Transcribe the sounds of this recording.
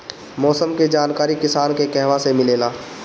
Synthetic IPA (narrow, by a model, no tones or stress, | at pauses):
mɔːsəmked͡ʒaːnkaːɾikɪsaːnkekɛɦʋasemɪleːlaː